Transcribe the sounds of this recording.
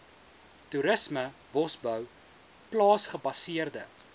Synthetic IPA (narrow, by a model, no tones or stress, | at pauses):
tuɾəsməvɔsbœw | plɑːsχəbɐsiərdə